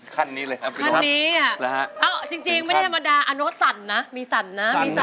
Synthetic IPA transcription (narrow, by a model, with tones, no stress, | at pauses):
kʰa˧nːiː˦˥ləː˧ja˦kʰa˧nnːiː˦˥a˩lʔɛː˦˥wt͡ɕi˧ŋt͡ɕi˧ŋma˥˩da˥˩t̪ʰa˧ma˧daː˧ʔa˧no˦˥t̪̚sa˨˩˦nːa˦˥miː˧sa˩˦nːa˦˥miː˧sa˨